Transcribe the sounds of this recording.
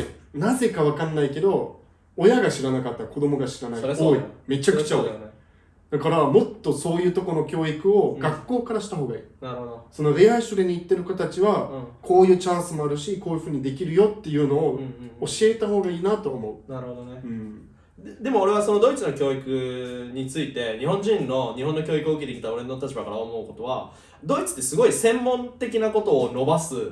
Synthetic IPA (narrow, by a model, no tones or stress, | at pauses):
naze̞kaβ̞akãnːaike̞d̪o̞ː | jaɡaɕiɾanakat̪ːako̞d̪o̞mo̞ɡaɕiɾanaioːime̞t͡ɕakɯ̟̥t͡ɕaoi | d̪̥akaɾamo̞t̪ːo̞so̞ːjɯ̟ːt̪o̞ko̞no̞kʲo̞ːikɯ̟o̞ɡakːo̞ːkaɾaɕi̥t̪aɦo̞ːɡaḭːnaɾooso̞no̞ɾe̞aiɕɨɾeɲ̟iːt̪ːe̞ɾɯ̟kat̪at͡ɕiβakʰo̞ːjɯ̟ːt͡ɕãɰ̃sɨmo̞aɾɯ̟ɕikoːjɯ̟ɸɯ̟ːɲ̟id̪e̞kʲiɾɯ̟jo̞t̪ːe̞jɯ̟ːno̞ːoɕie̞t̪aɦo̞ːɡaiːnat̪o̞ːmo̞ɯ̟naɾɯ̟hod̪oneɯ̃ɴ | d̪e̞moːɾe̞βaso̞no̞d̪o̞it͡sɨno̞kʲo̞ːikɯ̟ɲ̟it͡sɨit̪e̞ɲiɦõ̞ɲ̟d͡ʑĩnːo̞ɲ̟iɦõ̞nːokʲo̞ːikɯoɯkʲet̪e̞kʲi̥t̪ao̞ɾe̞not̪at͡ɕibakaɾa̰omo̞ɯko̞t̪o̞βa̰ | d̪o̞it͡sɨ̥t̪ːe̞sɨɡo̞isẽ̞mːõ̞nt̪e̞k̬ʲinako̞t̪o̞ːno̞basɨ